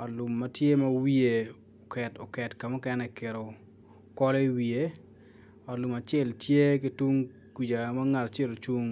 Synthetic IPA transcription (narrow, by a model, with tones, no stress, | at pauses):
ɔ˨lʊ˨mːa˦tje˦ma˦wi˦e˨ | o˨kɛ˨to̰˨kɛ˨tka˨mɔ˦kɛ˦nɛke˨ɾo˨ | kɔ˦le˦i˦wie˦ | ɔ˨lʊ˨ma˨t͡ʃɛ˦˨ltje˦k̬ɪ˦tu˦ŋ | ku˨d͡ʒa˨ma˦ŋa˨ta˨t͡ʃe˦ɾo˨t͡ʃu˦ŋ